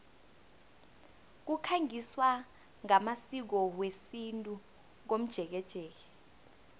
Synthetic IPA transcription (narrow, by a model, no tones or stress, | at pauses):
k̬ukʰaŋiswa | ŋamasik̬ɔwesintʼu | k̬om̩d̥ʒ̥ʱɛk̬ɛd̥ʒ̥ʱɛːk̬ɛ